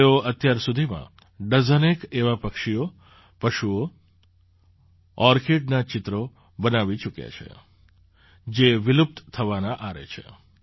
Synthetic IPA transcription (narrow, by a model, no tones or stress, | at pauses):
eoʔət̪jaɾsud̪ʱimã̰ | ɖəzənekeʋapəkʃio | pəʃuo | ɔɾkeʈnat͡ʃɪt̪ɾo | bənaʋit͡ʃukja̰t͡ʃʰḛ | d͡ʒeʋɪlup̚t̪t̪ʰəʋanaʔaɾḛt͡ʃʰḛ